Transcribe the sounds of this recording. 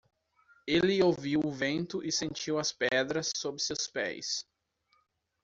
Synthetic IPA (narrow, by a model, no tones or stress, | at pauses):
elɪowviwʊvẽnt̪ʊʔɪsẽnt͡ʃiwɐspɛd̪ɾɐsːobɾɪsewspɛ̰js